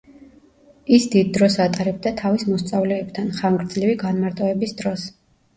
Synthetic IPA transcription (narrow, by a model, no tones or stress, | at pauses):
isd̪id̪̚ːɾɔsat̪ʼaɾɛb̚d̪at̪ʰavismɔst̪sʼavlɛːb̚t̪ʰanχaŋɡɾd̪zliviɡanmaɾt̪ʼɔɛbisd̪ɾɔs